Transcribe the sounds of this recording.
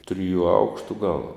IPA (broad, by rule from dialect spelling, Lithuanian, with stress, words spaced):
ˈtʲrʲɪjʊ ˈɐʊkʃtʊ ɡɐlˠ